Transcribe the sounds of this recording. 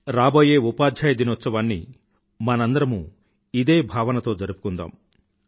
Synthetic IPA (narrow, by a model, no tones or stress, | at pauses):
ɾaːboːjeːupaːd̪ʱjaːjɐd̪inɔt̪sɐʋaːnːḭ | mɐnɐnd̪ɐɾɐmu | id̪eːbʱaːʋɐnɐt̪oːd͡ʒɐɾupu̥kund̪a̰ːm